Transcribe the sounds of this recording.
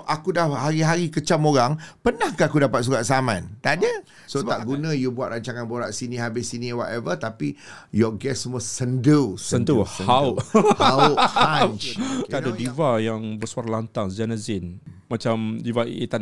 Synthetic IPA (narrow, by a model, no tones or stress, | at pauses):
ʔakudahhaɾiɦaɾikət͡ʃamoɾaŋpənahkaakudapat̪̚s̬ukaʔ̚samãnt̪adə | soaʔɡunãjubuat̪̚ɾaɲt͡ʃaŋanboɾaʔsinĩɦabɪsiniwat̪ɛvət̪api | jɔɡɛsːəmuasəndəssəndəhəauhaua | t̪adadivajaŋbəsuaɾalant̪aŋzanazɪn | mãt͡ʃamdivait̪a